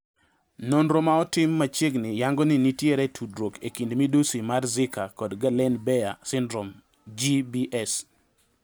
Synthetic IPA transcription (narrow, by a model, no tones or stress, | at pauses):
nonɾomaɔtɪmːat͡ʃeɡnɪjaŋɡɔnɪnitjeɾɛtʰudɾokekindmidusimarzɪkakɔdɡalɛnbɛjasɪndɾom | d͡ʒibiʔɛs